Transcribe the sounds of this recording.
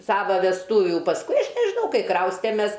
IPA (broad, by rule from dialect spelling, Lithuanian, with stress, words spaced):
ˈsɑːʋɐ ʋʲɛsˈtuːʋʲuː pɐsˈkʊɪ ˈɐʃ nʲɛʒʲɪˈnɐʊ ˈkɐɪ ˈkrɐʊsʲtʲɛmʲɛs